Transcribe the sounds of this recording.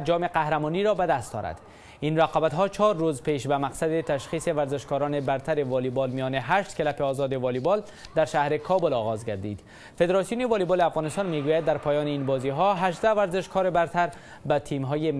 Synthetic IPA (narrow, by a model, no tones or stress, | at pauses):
d͡ʒɒmeqahɾamɔniɾɔbad̪ast̪ɒ̰ɾa̰d̪̥ | inɾaqɒːbat̪ɦɒt͡ʃʰɒɾːozpeʃbamaqsad̪ɪt̪aʃxiːseʋaɾzɪʃkɔɾɒnɪbaɾt̪ʰaɾevɒlibɒlmijɒneɦaʃt̪kɪlapeɒzɒd̪ɪvɒlibɒl | d̪aɾʃahɾɪkʰɒbʊlɒːɣɒzɡaɾd̪ḭd̪ | fed̪eɾɒsijunevɒlibɒleafɣɒːnɪst̪ɒnmeɡujad̪ːaɾpɒːjɒːneinbɒziɦɒɦaʒd̪avaɾzɪʃkʰɒɾebaɾt̪aɾ | bat̪ʰimɦɔjem